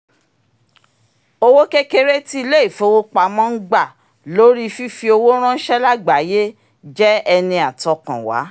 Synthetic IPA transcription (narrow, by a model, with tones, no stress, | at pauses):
o˧wo˦ke˦ke˦ɾe˦ti˦i˧le˦i˦˨fo˨˦wo˦k͡pa˧mã˦n̩˦ɡ͡ba˦˨ | lo˨˦ɾi˦fi˦fi˧o˧wo˦ɾ̃ã˦n̩˦ʃɛ˦la˦ɡ͡ba˨˦je˦ | d͡ʒɛ˦ɛ˧nĩ˧a˨tɔ˧kã̰˨wa̰˨˦